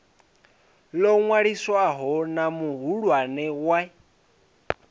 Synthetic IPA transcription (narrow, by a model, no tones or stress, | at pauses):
lɔŋwaɺiswaɦɔnamuɦuɺwanɛwa